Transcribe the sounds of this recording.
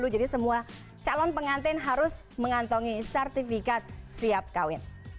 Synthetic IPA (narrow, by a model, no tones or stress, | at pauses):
lud͡ʒadisəmua | t͡ʃalɔnpəŋant̪ɪnɦaɾʊs | məŋant̪ɔŋisərt̪ifikat̪̚siap̚kawɪn